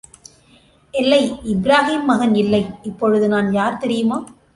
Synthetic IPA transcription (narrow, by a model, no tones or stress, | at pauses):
ʔɛlːɐɪɪbɾaːɦiːmːɐɣɐnɪlːɐɪɪpːɔɻɯðɯnaːnjaːɾt̪ɛɾɪjɯmaː